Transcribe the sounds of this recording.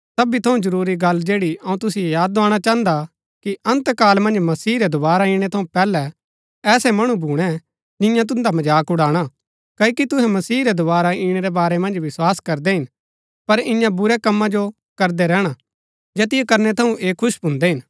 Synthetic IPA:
sɐbit̪ʰɐũzɐɾuːɾiɡɐlːd͡ʒeːɽiɐũt̪ʊsiejaːd̪ːaːɽ̃at͡ʃãːnd̪a | kiʔɐ̃nt̪kaːlmɐ̃nd͡ʒmɐsiːɾɛd̪ʊbaːɾaĩːɽ̃ɛt̪ʰɐũpɛːlɛ | ɛːsɛmɐɽ̃ũbʱuːɽ̃ɛ | d͡ʒɪ̃jãt̪̬ʊnd̪amɐd͡ʒaːkʊɽaːɽ̃a | kɐkit̪ʊɦɛ̃mɐsiːɾɛd̪ʊβaːɾaiːɽ̃ɛɾɛbaːɾɛmɐ̃nd͡ʒʋɪswaːskɐɾd̪ɛɦɪn | pɐɾɪ̃jãbʊɾɛkɐmːãd͡ʒo | kɐɾd̪ɛɾɛːɽ̃a | d͡ʒeːt̪ɪjekɐɾnɛt̪ʰɐũʔeːkʰʊʃbʱʊ̃nd̪ɛɦɪn

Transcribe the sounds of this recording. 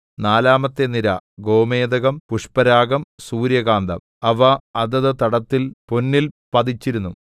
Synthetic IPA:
naːlaːmɐt̪ːeniɾɐɡo̞ːme̞ːd̪ɐɣɐmpuʂpɐɾaːɡɐmsuːɾjɐɡaːnd̪ɐ̰m | ɐʋɐɐðɐðɨt̪ɐɽɐt̪ːilpo̞nːilpɐd̪it͡ɕːiɾunːu

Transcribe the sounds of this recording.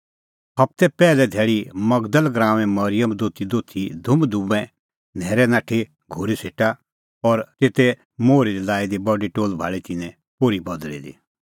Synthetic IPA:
pʰɐp̚t̪ɛpɛːlɛd̪ʱɛːɭimɐɡd̪əlɡɾãːʋɛ̃mɐɾɪjəmd̪oːt̪ʰid̪oːt̪ʰid̪ʱʊmd̪ubɛ̃ | nʱɛːɾɛnaːʈʰe | ɡʱoɾisʰeːʈa | ɔɾt̪eːt̪ɛ | moːɾiɾilaːid̪ibɔɖiʈoːlbʱa̰ːɭit̪ɪnɛ̃ | poːɾibɐd̪lḭd̪ḭ

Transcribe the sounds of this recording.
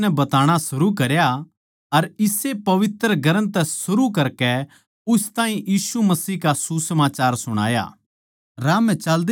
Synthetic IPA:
nɛbɐt̪aːɽ̃asʊɾukɐɾja | ɐɾɪsepɐʋɪt̪ɾəɡʱɐɾənt̪ɛsʊɾukɐɾkɛ | ʊst̪ãːĩjiːsumɐsiːkasusɐmaːt͡ʃaːɾsʊɽ̃a̰ːja̰ː | ɾaːmɛ̃t͡ʃɐld̪

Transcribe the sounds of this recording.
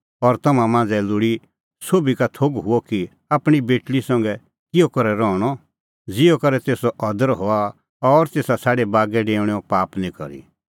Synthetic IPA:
ɔɾt̪ɐmãmãːnd͡zɛlʊɽi | soːbikat̪ʰoɡɦʊɔki | aːpɽ̃ibeːʈɭisɐ̃ŋɡɛ | kɪjɔkɐɾɛɾɔɽ̃ɔ | d͡zɪɔkɐɾɛt̪eːsɔʔɐd̪əɾɦoa | ɔɾt̪eːsasaːɽebaːɡɛɖeːɽ̃ɔpaːpnĩkɔ̰ɾḭ

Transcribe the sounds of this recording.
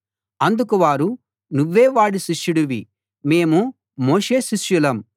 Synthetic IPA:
ɐnd̪ukuʋaːɾu | nuʋːeːʋaːɽiʃiʃjuɽuʋi | me̞ːmu | moːʂe̞ːʃiʃjulɐm

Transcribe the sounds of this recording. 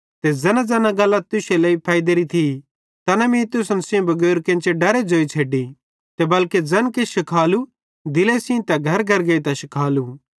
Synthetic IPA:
t̪ed͡zɐnad͡zɐːnãɡɐlːɐt̪̚t̪ʊseleipʰaːɪd̪eɾit̪ʰi | t̪ɐnɐmĩt̪ʊsɐnsɪõbɐɡoːɾkẽːnt͡ʃeɖɐɾed͡ʒoːit͡sʰeːɖi | t̪ebɐlked͡zɐnkeʃɐkʰaːlu | d̪ɪlesĩt̪ɐɡʱɐɾɡʱɐɾɡeit̪ɐʃɪkʰaːlu

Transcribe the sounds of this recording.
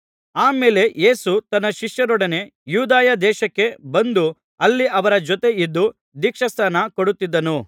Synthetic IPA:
aːme̞ːle̞je̞ːsut̪ɐnːɐʃiʂjɐɾɔɽɐne̞juːd̪aːjɐd̪ɛːʃɐkːe̞bɐnd̪u | ɐlːiʔɐʋɐɾɐd͡ʒɔt̪e̞id̪ːu | d̪ikʂɐst̪ʰaːnɐkoɽut̪ːid̪ːɐnu

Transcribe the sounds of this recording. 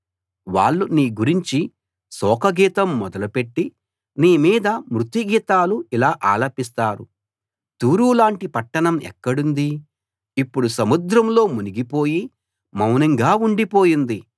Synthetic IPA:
ʋa̰ːɭːuniːɡuɾiɲt͡ʃi | sɔːkɐɡiːt̪ɐmːɔd̪ɐlupe̞ʈːi | niːmiːd̪ɐmɾut̪iɡiːt̪aːluilaːʔa̰ːlɐpist̪aːɾu | t̪uːɾuːlaːɳʈipɐʈːɐɳɐmɛ̰kːɐɽund̪i | ipːuɽusɐmud̪ɾɐmlo̞ːmuniɡipo̞ːji | mɐwnɐŋɡaːuɳɖipo̞ːjind̪i

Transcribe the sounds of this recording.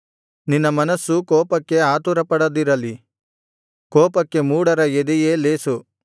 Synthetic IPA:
ninːɐmɐnɐsːukɔːpɐkːe̞aːt̪uɾɐpɐɽɐd̪iɾɐli | kɔːpɐkːe̞muːɽɐɾɐjed̪ije̞ːleːsu

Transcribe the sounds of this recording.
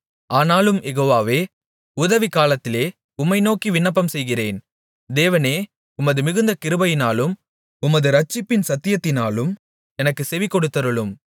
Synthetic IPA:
aːnaːlɯmjɛɣoːʋaːʋeː | ʊðɐʋikaːlɐt̪ːɪleː | ʊmːɐɪnoːkiʋɪnːɐp̬ːɐmsɛjɣɪreːn | d̪eːʋɐneː | ʊmːɐðɯmɪɣɯnd̪ɐkɪɾɯbɐjɪnaːlɯm | ʊmɐðɯɾɐt͡ʃːɪpːɪnsɐt̪ːɪjɐt̪ːɪnaːlɯm | ɛnɐkːɯsɛʋikːɔɽɯt̪ːɐɾɯɭɯm

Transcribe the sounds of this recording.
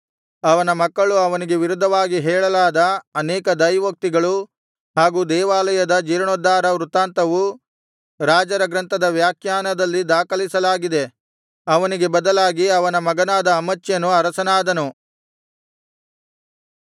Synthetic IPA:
ɐʋɐnɐmɐkːɐɭuɐʋɐniɡe̞ʋiɾud̪ʱːɐʋaːɡiɦɛːɭɐlaːd̪ɐɐnɛːkɐd̪ɐjʋɐk̚t̪iɡɐɭu | ɦaːɡuːd̪ɛːʋaːlɐjɐd̪ɐd͡ʒiːɾɐɳɔd̪ːaːɾɐʋɾut̪aːnt̪ɐʋu | ɾaːd͡ʒɐɾɐɡɾɐnt̪ɐd̪ɐʋjaːkʰjaːnɐd̪ɐlːid̪aːkɐlisɐlaːɡid̪e̞ | ɐʋɐniɡe̞bɐd̪ɐlaːɡiɐʋɐnɐmɐɡɐnaːd̪ɐːmɐt͡ʃːjɐnuɐɾɐsɐnaːd̪ɐnu

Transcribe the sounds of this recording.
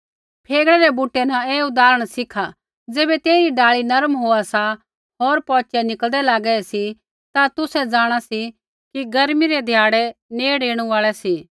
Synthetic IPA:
pʰeːɡɭɛɾɛbuːʈːɛnɐeːʊd̪aːɾəɽ̃sɪkʰa | d͡zeːbɛt̪eːɾiɖaːɭinɐɾmɦoːasa | ɦoːɾpɔːt͡ʃɛnɪkəld̪ɛlaːɡɛɛsi | t̪at̪ʊsɛd͡zaːɽ̃asi | kiɡɐɾmiɾɛd̪ʱjaːɽɛneːɽeːɽ̃ũaːɭɛsiː

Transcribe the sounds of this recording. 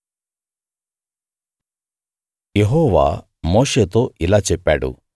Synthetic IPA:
jeɦɔːʋa̰ː | moːʂeːt̪o̞ːilaːt͡ʃɛpːaːɽṵ

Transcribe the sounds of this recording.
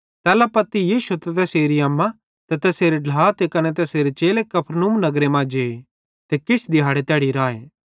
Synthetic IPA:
t̪ɛːlapɐt̪ːijiːsut̪ɛt̪ɛseːɾiaːmːã | t̪ɛt̪ɛseːɾeɖʱlaːt̪ekɐnɛt̪ɛseːɾet͡ʃeːlekɐpʰɾnuːmnɐɡɾemãːd͡ʒeː | t̪ekɪt͡ʃʰd̪ɪɦaːɽet̪ɛːɽiɾaːḛː

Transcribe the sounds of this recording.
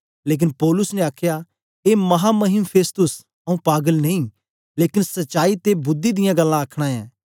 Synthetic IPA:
leːk̬ɪnpɔːlʊsneaːkʰja | emɐɦamɐɦɪmpʰeːst̪ʊs | ɐũpaːɡəlneĩ | leːkɪnsɐtːt͡ʃʃaːit̪ebʊd̪ːid̪ɪjãɡɐlːãɐkʰɽ̃ãɛ̰̃ː

